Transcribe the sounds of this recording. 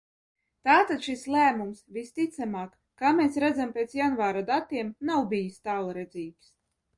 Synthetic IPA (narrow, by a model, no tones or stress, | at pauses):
t̪aːt̪at̪ʃislæːmumsvʲist̪it̪samaːkːaːmeːsɾæd̪zampʲeːt̪sjanvaːɾad̪at̪iɛmnawbʲijist̪aːlˠɾɛd̪ziːks